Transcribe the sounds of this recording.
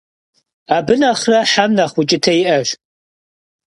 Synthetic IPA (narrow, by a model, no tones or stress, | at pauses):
aːbɨnaːχrɐħamnaχʷʊt͡ʃʼɪtʰɐiʔɐʃʷ